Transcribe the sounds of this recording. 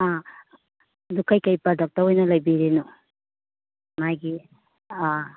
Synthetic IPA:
a | d̪ukajkajpadɔk̚tɐɾɔjnɐlajbiɾenu | majɡi | a

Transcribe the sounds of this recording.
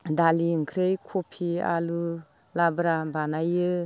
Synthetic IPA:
daliŋkʰɾejkʰɔpʰia̰lu | labɾabanajɯ

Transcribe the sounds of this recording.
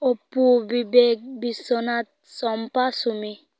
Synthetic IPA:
opubibek̚bisɔnat̪̚sɔmpasumi

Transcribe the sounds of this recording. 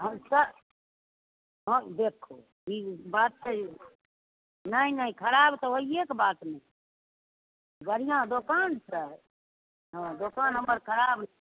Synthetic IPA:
ɦəmsə | ɦõd̪ekʰːo̰ | ibat̪̚ə | nəinəĩkʰəɾabt̪ɔɦoiekbat̪ne | bəɾijãd̪okansʰə | ɦə̃d̪okanɦəmːəɾkʰəɾabn

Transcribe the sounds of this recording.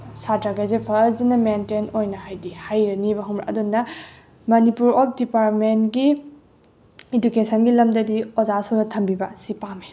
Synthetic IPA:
satɾaɡajzepʰɐzinɐmentenojnɐɦajdihajɾɐnibɐɦomɾa̰ʔɐ̰dunːɐ | mɐnipuɾɔp̚ʰdipaɾtmentɡi | idukesɐnɡilɐmdɐdiɔzasonɐtʰɐmbibɐsipami

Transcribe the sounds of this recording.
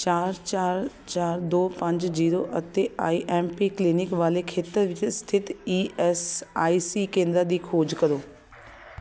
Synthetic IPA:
t͡ɕaːɾt͡ɕaːɾ | t͡ʃaːɾd̪oːpɐ̃ɲd͡ʑziːɾoʔɐt̪eʔaːiʔɛːmpikliːnɪkʋaːlekʰeːt̪əɾʋɪt͡ʃst̪ʰɪt̪iːɛsaːiːsiːkẽːnd̪ɾad̪iːkʰoːd͡ʒkɐɾoː

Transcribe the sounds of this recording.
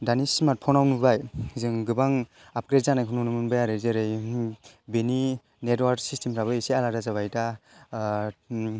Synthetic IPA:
danismat̚pʰɔnawnubajzɯŋɡɯbaŋ | ap̚kɾetzanajkʰununumɯnbajaɾɯzeɾɯj | beni | netwaɾksistemɾaβɯisealaɾazaβajta

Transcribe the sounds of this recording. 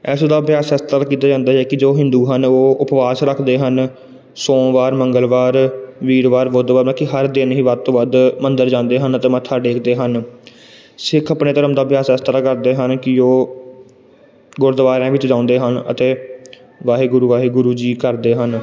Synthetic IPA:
ɛːsod̪aːbjaːsast̪ɾaːkiːt̪aːd͡ʒãːnd̪aːɛːkɪd͡ʒoːɦɪ̃nd̪uːɦənoːʊpʋaːsɾəkʰd̪eːɦən | sõːʋaːɾməŋɡəlʋaːɾʋiːɾʋaːɾʋod̪ʋaːɾnãːkɪɦəɾd̪ɪnɦĩːʋəd̪̚t̪õːʋəd̪mənd̪əɾd͡ʒãːnd̪eːɦənət̪eːmət̪ʰːaːɖeːkʰd̪eːɦən | sɪkʰəpneːt̪əɾəmd̪aːbjaːsəst̪ɾaːkəɾd̪eːɦənkɪoː | ɡʊɾd̪əʋaːɾẽːʋɪt͡ʃd͡ʒãːʊ̃nd̪eːɦənə̰t̪eː | ʋaːɦeːɡʊɾuːʋaːɦeːɡʊɾuːd͡ʒiːkəɾd̪eːɦən

